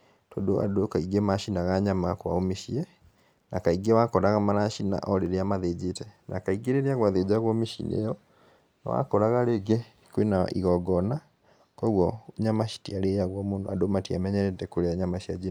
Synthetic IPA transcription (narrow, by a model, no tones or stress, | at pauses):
to̰ndoʔa̰dokaiɡemaʃinaɣaɲamakoa̰omeʃiɛ | nakaiɡewakɔɾaɣamaɾaʃina̰ʔɔɾeɾeamaðed͡ʑetɛnʔakaiɡeɾeɾeaɣwaðed͡ʑaɣwɔmeʃḭnḛjɔ | na̰wa̰kɔɾaɣaɾeɡe | kwena̰ʔḭɣɔɡɔna | kɔɣwɔɲamaʃi̥tiaɾejaɣwɔmondo̰adomatiamɛɲɛɾɛtɛkoɾeaɲamaʃiad͡ʑi